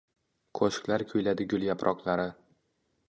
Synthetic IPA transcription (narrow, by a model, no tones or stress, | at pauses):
qʰoʃklaɾkʲʰɵjlad̪ɪɡʲʊlˠjapɾʔɒqlˠaɾɪ